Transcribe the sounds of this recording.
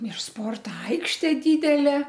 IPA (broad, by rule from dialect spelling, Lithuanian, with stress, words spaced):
ɪr ˈspoːrtoː ˈɐɪkʃʲtʲeː ˈdʲiːdʲɛlʲeː